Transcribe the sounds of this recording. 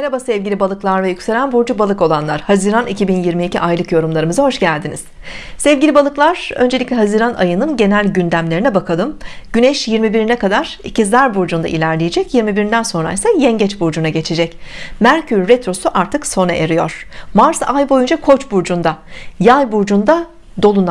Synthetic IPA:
eɾabasɛvɟilʲibalˠɯklˠaɾvɛjycʲseɾænbuɾd͡ʒubalˠɯko̞lˠanlˠaɾ̥haziɾanicʰibinjiɾmiːcʰiʔajlˠɯkjo̞ɾumlˠaɾɯmɯzaɦo̞ʃɟælʲd̪iniz̥ | sɛvɟilʲibalˠɯklˠaɾ̥ø̞̰nd͡ʒelʲiclʲɛɦaziːɾanʔa̰jɯnɯnɟe̞nælʲɟynd̪æmlʲe̞ɾinɛbakʰalˠɯmɟ̥ynɛʃjiɾmibiɾinɛkad̪aɾ̥icʰizlʲæɾbuɾd͡ʒund̪a̰ʔilʲæɾlʲejed͡ʒɛcjiɾmibiɾind̪ænso̞nɾa̰isajɛɲɟɛt͡ʃbuɾd͡ʒunaɟe̞t͡ʃʰed͡ʒɛcmæɾcʰyɾːɛt̪ɾo̞suʔaɾt̪ʰɯkso̞naʔeɾijo̞̰ɾ̥maɾsajbo̞jund͡ʒakʰo̞t͡ʃbuɾd͡ʒund̪ajajbuɾd͡ʒund̪a | d̪o̞lˠun

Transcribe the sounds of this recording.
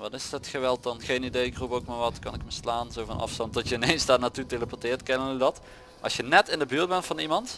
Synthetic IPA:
ʋɑtɪsətχəʋɛlˠt̚dɑnχejnidejɪkrupowkmaːɹʋɑtkɑ̰nɪkməslaːnzowvɑ̰nɑ̰fstɑnt̚dɔtjəɪnejnzdaːɹnaːtuteləpɔɹtɪːrtkɛnənydɑt | ʔɑ̰lˠsjənɛtɪndəbyːɹd̚bɛntfɑnimɑnt

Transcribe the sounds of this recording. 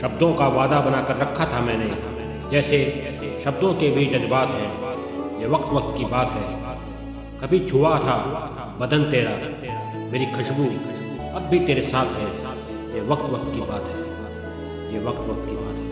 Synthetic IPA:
ʃɐbd̪õkaʋaːd̪abɐnaːkəɾːɐkʰːat̪ʰamɛ̃ːne | d͡ʒɛːse | ʃɐb̚d̪õkebʱid͡ʒɐzbaːt̪ɦɛ | jeːʋɐk̚t̪ʋɐk̚t̪̚kibaːt̪ɦɛː | kɐbʱit͡ʃʰʊwat̪ʰa | bɐd̪ənt̪eːɾa | meːɾikʰɐʃbu | ɐbːʱit̪eːɾesaːt̪ʰɦɛː | jeːʋɐk̚t̪ʋɐk̚t̪kibaːt̪ɦɛː | jeːʋɐk̚t̪ʋɐk̚t̪kibaːt̪ɦɛː

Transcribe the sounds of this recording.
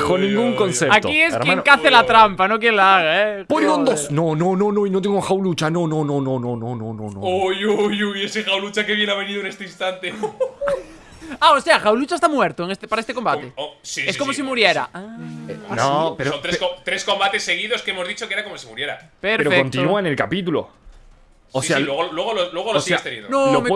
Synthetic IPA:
konĩŋɡuŋkonθeɾakies̬jaenokaθelat̪ɾampanok̬jeŋlaaɣaepoɾɣond̪osnonõnonõinot̪̬eŋɡoxawlut͡ʃanonõnonõnõnõnõnõõojojujesexawlut͡ʃakeβjenaβeniðone̞st̪einst̪ant̪e | aose̞axawlut͡ʃaest̪amweɾt̪oeŋest̪epaɾaest̪eko̞mbat̪eosieskosmos̬imuɾjeɾa̰aanopeɾoont̪ɾeot̪ɾesko̞mbat̪e̞sːe̞ɣiðo̞skeemozðit͡ʃokeɾakomosimuɾjeɾa̰peɾpeɾofekont̪inuanelkapit̪̬ulo̰ | sosealweɣolweɣoloslweɣolosiast̪enḭðononom

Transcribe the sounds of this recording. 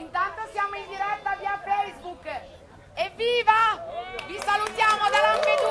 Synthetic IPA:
int̪ant̪osjaːmoind̪iɾɛt̪ːaviːafejzbuk | evːiːvavisalut̪jaːmod̪alampid̪u

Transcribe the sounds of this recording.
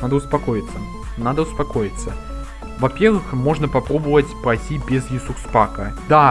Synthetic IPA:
nad̪ɐwspakɔjit̪sːɐ | nad̪ɐwspakɔjit̪sːɐ | vapʲɛɾvɨxmɔʐnɐpapɾɔbɐvɐt͡sʲpɾajsʲibʲɛzjisuxspakɐd̪a

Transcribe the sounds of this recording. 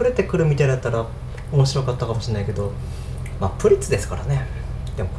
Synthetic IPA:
ɯ̟ɾe̞t̪e̞kɯ̟ɾɯ̟mʲit̪aid̪at̪ːaɾa | omo̞ɕiɾo̞kat̪ːakamo̞ɕienaike̞d̪o̞ | maːpɯ̟ɾʲit͡sɨd̪e̞sɨ̥kaɾane̞ | d̪̥emok

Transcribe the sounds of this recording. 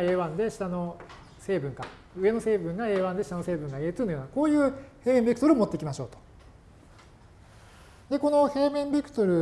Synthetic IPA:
e̞ːβãnd̪e̞ɕi̥t̪ano̞ | se̞ːbɯ̟̃ŋka | ɯ̟e̞no̞se̞ːbɯ̟̃ŋɡae̞ːβãnd̪e̞ɕi̥t̪ano̞se̞ːbɯ̟̃ŋɡaet̪ɨnojoːnako̞ːjɯ̟ːhe̞ːmẽ̞mbʲikɯ̟t̪oɾɯ̟omo̞t̪ːeikʲimaɕo̞̰ːt̪o̥ | d̪e̞ko̞no̞he̞ːmẽ̞mbʲekɯ̟̥t̪o̞ɾɯ̟

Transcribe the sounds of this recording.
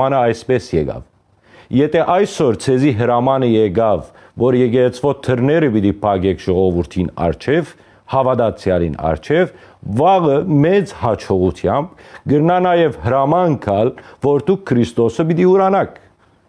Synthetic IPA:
ɑnəɑjsbɛsjɛɡɑ̰v | jɛt̪ʰɛʔɑjsɔɾt͡sʰɛziɦəɾɑmɑnəjɛɡɑvː | ɔɾjɛɡɛɾɛt͡sʰvɔt̪ʰəɾnɛɾəbid̪ipʰɑɡɛkʰʒ̥ɔʁɔvuɾt̪ʰinɑ̰ɾt͡ʃʰɛv | hɑvɑd̪ɑt͡sʰjɑlḭnɑ̰ɾt͡ʃʰɛv | vɑʁəmɛt͡shɑt͡ʃʰɔʁut̪ʰjɑmbɡəɾnɑnɑjɛvhəɾɑmɑŋkʰɑlvɔɾt̪uk̚ʰːəɾist̪ɔsəbit̪iuɾɑnɑkʰ

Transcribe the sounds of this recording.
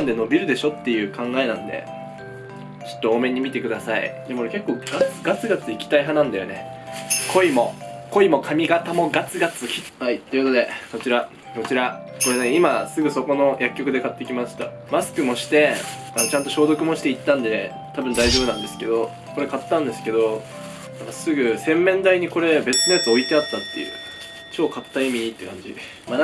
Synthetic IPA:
nd̪e̞no̞bʲiɾɯ̟d̪e̞ɕo̞t̪ːe̞jɯ̟ːkʰãŋɡae̞nãnd̪e̞̰ | t͡ɕo̥t̪ːooːmẽ̞ɲ̟ːimʲit̪e̞kɯ̟d̪asaḭd̪ekoɾeke̞kːo̞ːɡat͡sɨ̥ɡat͡sɨɡat͡sɨikʲi̥t̪aiɦanãnd̪ajone̞ | kʰo̞imo̞ko̞imo̞kʰamʲiɡat̪amo̞ɡat͡sɨɡat͡sɨçʲi̥ | hait̪ːeiko̞t̪o̞d̪e̞ko̞t͡ɕiɾa | ko̞t͡ɕiɾa | ko̞ɾe̞neimasɨɡɯ̟so̞ko̞no̞jakʲːo̞kɯ̟d̪e̞kat̪ːe̞kʲimaɕi̥t̪a̰ | masɨ̥kɯ̟mo̞ɕi̥t̪e̞mat͡ɕãnt̪o̞ɕo̞ːd̪o̞kɯ̟mo̞ɕi̥t̪eit̪ːãnd̪e̞ | t̪abɯ̟̃nd̪aiʑo̞ːbɯ̟nãnd̪e̞sɨ̥ke̞d̪o̞ | ko̞ɾe̞kat̪ːãnd̪e̞sɨ̥ke̞d̪o̞ | nãŋkasɨɡɯ̟sẽ̞mːẽ̞nd̪aiɲ̟iko̞ɾe̞be̞t͡sɨno̞jat͡sɨo̞it̪e̞at̪ːat̪ːe̞jɯ̟̰ː | t͡ɕo̞ːkat̪ːaimʲiɲit̪ːekãɲ̟d͡ʑḭ | ma

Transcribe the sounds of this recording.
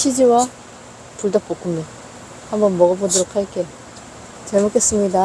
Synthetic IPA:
ɕʰid͡ʑiwa | puɭdap͈okʰumɲo | hambʌnmʌɡʌbodoɾokʰhak͈e | t͡ɕeɭmokʰe̞s͈ɯmɲida

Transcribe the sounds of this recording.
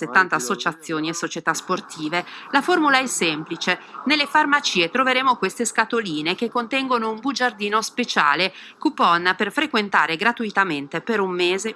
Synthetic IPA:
set̪ːant̪aːsːot͡ʃat̪sːjoːniesːot͡ʃet̪asport̪ʰiːvelaformulaɛsːɛmplit͡ʃenelːefarmat͡ʃiːet̪ɾoveɾeːmokwest̪eskat̪oliːnekekːont̪ɛŋɡonoumbud͡ʒard̪iːnospet͡ʃa̰ːlekupɔnːaperfɾekwent̪aːɾeɡɾat̪uit̪ament̪epeɾumːeːze

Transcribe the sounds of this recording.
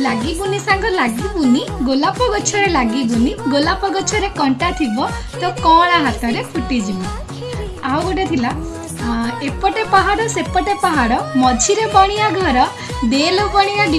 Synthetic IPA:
laɡibunisaŋkɔlaɡibuniɡolapɔɡɔt͡ʃʰɔɾelaɡibuniɡolapɔɡɔt͡ʃʰɔɾekɔɳʈat̪ʰibɔ | t̪ɔkɔɽ̃aɦat̪ʰɔɾepʰuʈid͡ʒibɔ | awɡɔʈet̪ʰila | epɔʈepaɦaɽɔsepɔʈepaɦaɽɔmɔd͡ʒʱiɾebɔɽ̃ijaɡʱɔɾɔ | d̪elokɔɽ̃ijaɖi

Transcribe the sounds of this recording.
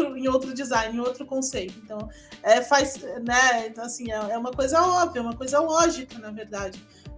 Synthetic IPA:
ɾʊẽj̃owt̪ɾʊd͡ʒizãj̃nẽowt̪ɾʊkõsejt̪ʊẽnt̪ɐ̃w̃ | ɛfajsɛnɛɛasĩɛɛũmɐkojzɐɔbviɐɛũmɐkojzɐlɔʒikɐnɐveɾd̪ad͡ʒɪ

